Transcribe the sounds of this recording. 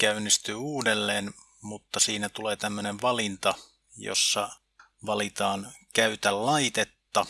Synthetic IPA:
kæynːist̪yːuːdelːeːn | mut̪ːɑsiːnæt̪uleːt̪æmːøneʋʋɑlint̪ɑ | jo̰sːɑ̰ | ʋɑlit̪ɑːnkæyt̪ællɑit̪et̪ːɑ

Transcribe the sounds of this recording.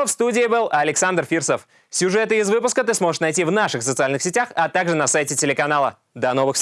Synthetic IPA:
fst̪udʲɪːbɨlˠɐlʲɪksand̪rfʲirsəf | sʲʊʐɛt̪ɨɪzvɨpʊskət̪ɨsmo̞ʐɨ̥ʂnɐjtʲivnaʂɨxsət̪sɨalʲnɨxsʲɪtʲaxɐt̪aɡʐɨnɐsajtʲɪtʲɪlʲɪkɐnalˠə̰ | d̪ɐno̞vɨx

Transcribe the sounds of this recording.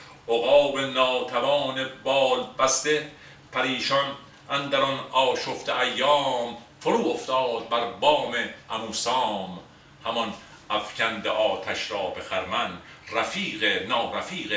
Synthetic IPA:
ʔoɣɒːbenɒːt̪ʰævɒːnebɒːlbæst̪e | pʰæɾiːʃɒn | ænd̪æɾɔnɒːʃoft̪eʔæjːɒːmfoɾuːoft̪ɒːd̪̚bæɾbɒːmeʔæmuːsɒːm | hæmɔn | ʔæfcʰænd̪eʔɒːt̪ʰæʃɾɒːbe̞xæɾmænræfiːɣenɒːɾæfiːɣe

